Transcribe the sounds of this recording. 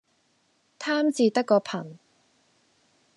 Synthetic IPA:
t̪ʰaː˥mt͡siː˨t̪ɐ˥kːɔː˧pʰɐ˨˩n

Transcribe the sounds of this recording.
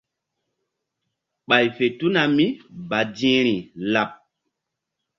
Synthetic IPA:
ɓa˨jfe˨tu˦na˨mi˦ba˨dĩ˦ɾi˨la˨p̚

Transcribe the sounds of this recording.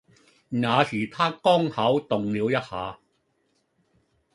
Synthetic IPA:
ŋaː˨˧siː˨˩t̪ʰaː˥kɔː˥ŋhɐ˨˥wt̪ʊ˨ŋliː˨˧wjɐ˥t̚haː˨˧

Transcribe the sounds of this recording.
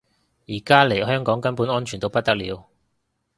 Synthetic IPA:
jiː˨˩kaː˥le˨˩ɦœː˥ŋkɔː˨˥ŋkɐ˥npu˨˥nɔː˥nt͡ʃʰyː˨˩nt̪o˧wpɐ˥t̚t̪ɐ˥k̚liː˨˧w

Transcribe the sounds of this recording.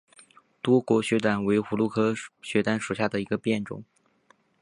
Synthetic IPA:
t̪wɔ˥kwɔ˧˥ɕɥɛ˧˥t̪a˨˩nwe˧˥ɪxu˧˥lu˥˩kʰɤ˥ɕɥɛ˧˥t̪a˥nʂu˨˩ɕja˥˩d̪ə˩i˧˥ɡə˧pjɛ˥˩nʈ͡ʂʊ̰˨˩˦ŋ

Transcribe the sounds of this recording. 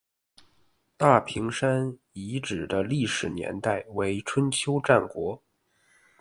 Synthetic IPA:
t̪a˥˩pʰi˧˥ŋʂa˥n | i˧˥ʈ͡ʂɻ̩˨˩d̪ə˦li˥˩ʂɻ̩˨˩njɛ̰˧˥nt̪a˥˩ɪwe˧˥ɪʈ͡ʂʰwə˥nt͡ɕʰjo˥ʊʈ͡ʂa˥˩nkwɔ˧˥

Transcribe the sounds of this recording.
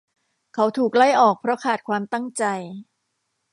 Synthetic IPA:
kʰa˦˥wt̪ʰuː˨˩k̚la˥˩jʔɔː˨˩k̚pʰɾɔ˦˥kʰaː˨˩t̪̚kʰwaː˧mt̪a˥˩ŋt͡ɕa˧j

